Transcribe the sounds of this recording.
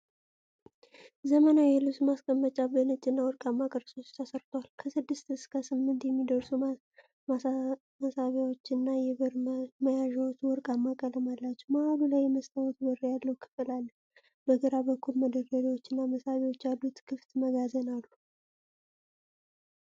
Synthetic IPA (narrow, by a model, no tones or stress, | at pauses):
zəmənawjɛlusmaskʼəmːət͡ʃʼabənɨt͡ʃʼːɨnːawɔɾkʼamːakʼəɾso̞t͡ʃːt̪ʰəsəɾt̪ʰwalkʰəsɨd̪ːɨst̪ɨskʰasɨmːɨnt̪jɛmːid̪əɾsu | masaβjawot͡ʃːɪnːajɛβɨɾməjaʒawot͡ʃːwɔɾkʼamːakʼələmalːat͡ʃːɛwmaalulajməst̪ʰʼawɔt̪bɨɾjalːəwkʰɨ̥fɨlalː | bəɡəɾabəkʰːulməd̪ərəɾiwot͡ʃːɪnːaməsaβiwot͡ʃːjalːut̪kʰɨft̪məɡazənalːu